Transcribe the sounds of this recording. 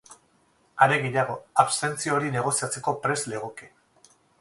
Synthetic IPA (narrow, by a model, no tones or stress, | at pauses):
aɾe̞ɣe̞jaɣ̞o̞aβse̞nt͡sioɾine̞ɣ̞o̞siat͡se̞ko̞pɾe̞sleɣoke